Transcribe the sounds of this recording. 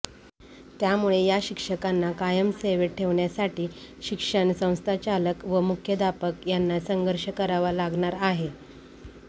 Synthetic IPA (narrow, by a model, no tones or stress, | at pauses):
t̪jamuɭejaɕikʂəkanːakajəmseʋeʈʰːeʋɳjasaʈiːɕikʂəɳsə̃w̃st̪ʰat͡ɕaləkʋəmukʰjəd̪ʱapəkjanːasəŋɡʱəɾɕəkəɾaʋalaɡɳ̃aɾaɦe